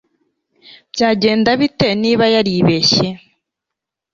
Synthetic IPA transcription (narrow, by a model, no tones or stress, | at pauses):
b̥ɟaːɟe̞ːndaβiteniːβajaɾiβeɕe